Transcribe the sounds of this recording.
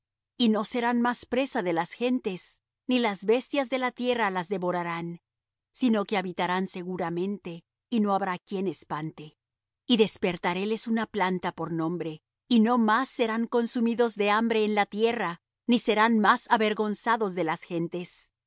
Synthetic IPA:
ino̞se̞ɾanmaspɾe̞saðe̞lasxe̞nt̪e̞s | nilazβe̞st̪jazðe̞lat̪je̞ralazðe̞βo̞ɾaɾan | sino̞ke̞aβit̪aɾanse̞ɣuɾamẽ̞nt̪e̞ | ino̞aβɾakje̞nespant̪e̞ | iðe̞spe̞ɾt̪aɾe̞le̞sunaplant̪apo̞ɾnõ̞mbɾe̞ | ino̞masːe̞ɾaŋko̞nsumiðo̞zðe̞ambɾe̞ːnlat̪je̞ra | nise̞ɾanmasaβe̞ɾɣo̞nsaðo̞zðe̞lasxe̞nt̪e̞s

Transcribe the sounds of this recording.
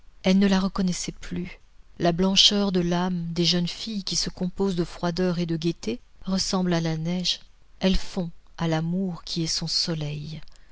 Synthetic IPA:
ɛlnəlaʁəkɔnɛsɛply | lablɑ̃ʃœʁd̪əlamd̪eʒənfijkʲisəkɔ̃pozd̪əfχwad̪œʁed̪əɡʲet̪e | ʁəsɑ̃blalanɛʒ | ɛlfɔ̃alamuʁkʲiɛsɔ̃sɔlɛj

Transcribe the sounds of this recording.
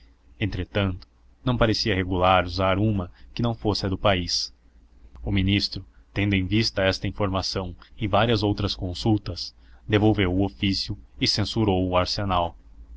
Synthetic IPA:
ẽnt̪ɾet̪ɐ̃nt̪ʊ̥ | nɐ̃w̃paɾesiɐheɡulaɾuzaɾũmɐkɪnɐ̃w̃fosɪɐd̪ʊpais | ʊminist̪ɾʊ | t̪ẽnd̪ʊẽj̃vist̪ɐɛst̪ɐĩfoɾmasɐ̃w̃ɪvaɾiɐzowt̪ɾɐskõsut̪ɐsd̪evowvewʊofisjʊɪsẽsuɾowʊaɾsenaw

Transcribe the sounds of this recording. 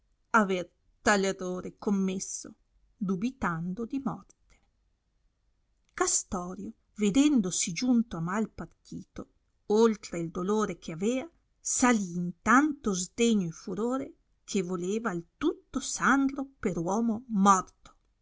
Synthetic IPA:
aver | t̪alerːoːɾekomːesːo̰ | d̪ubit̪and̪od̪imɔrt̪e̥ | kast̪ɔːɾjo | ved̪ɛnd̪osid͡ʒunt̪oamalpart̪ʰiːt̪o | olt̪ɾeild̪oloːɾek̟ʰeavɛːa | saliːnt̪ant̪ozd̪eɲːoefuɾoːɾe | kʰevoleːvaːlt̪ut̪ːosand̪ɾopeɾwɔːmomɔrt̪o̥

